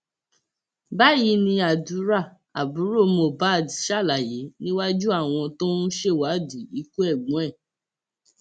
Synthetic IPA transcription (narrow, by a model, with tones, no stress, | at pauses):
ba˦˨ji˧nĩ˧a˨du˨˦ɾa˦˨ | a˨bu˨˦ɾo˦˨mo˨ba˦˨di˨ʃa˦˨la˨je˨˦nĩ˦wa˦d͡ʒu˦a˦˨w̃ɔ̃˧tõ˦n̩˦ʃe˦˨wa˨˦du˨i˨˦ku˦ɛ˦˨ɡ͡bũ˨˦ɛ˦˨